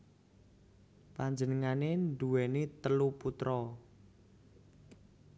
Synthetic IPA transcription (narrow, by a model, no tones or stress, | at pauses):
paɲd͡ʒənəŋanenɖuwɛnet̪əluput̪ɾɔ